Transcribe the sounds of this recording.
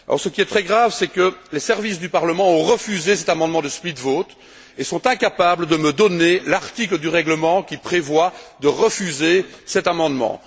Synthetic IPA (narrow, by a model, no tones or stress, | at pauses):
alʔɔ̰ʁsəkʲiɛt̪χɛɡʁavsɛkəlesɛʁvisd̪ypaʁləmɑ̃ɔ̃ʁəfyzesɛt̪amɑ̃d̪mɑ̃d̪əsplit̪vot̪ | esɔ̃t̪ɛ̃kapabləd̪əməd̪ɔnelaʁt̪ikləd̪yʁɛɡləmɑ̃kʲipχevwad̪əʁəfyzesɛt̪amɑ̃d̪mɑ̰̃